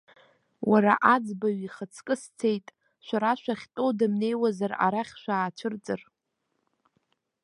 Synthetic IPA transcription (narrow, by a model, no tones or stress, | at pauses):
waɾaʔad͡zbaɥiχət͡sʰkʼɨst͡sʰe̞jtʼ | ʃʷᶣaɾaʃᶣʷaχʲtʼodamne̞jwazara̰ɾaχʲʃʷᶣaːt͡ʃʷʰɨrt͡sʼɨr